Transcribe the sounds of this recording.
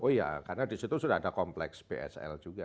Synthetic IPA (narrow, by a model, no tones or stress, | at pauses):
ʔoja̰karnadisit̪usudahadakɔmplɛksb̥eʔɛ̰sɛ̰ld͡ʒuɡa